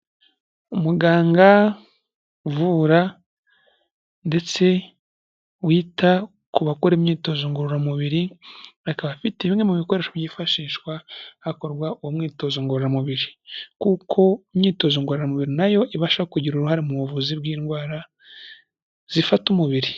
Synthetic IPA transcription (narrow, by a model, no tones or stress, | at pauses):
umuɡaːŋɡa | vuːɾa | nde̞t͡se̞ | wiːta | kuβakuɾemɲiːto̞zoŋɡoɾoɾamuβiɾiakaβafiteβimŋemuβiko̞ɾe̞ːʃoβjiːfaʃiːʃwahako̞ɾɡwaʔoumŋiːto̞zuŋɡoɾoɾamuβiɾikukʰo̞mɲiːto̞zoŋɡoɾoɾamuβiɾinajo̞iβaʃaβakuɟiɾuɾuhaɾimuβuvuziβɡiːnɡwaːɾa | z̥ifatumuβiɾi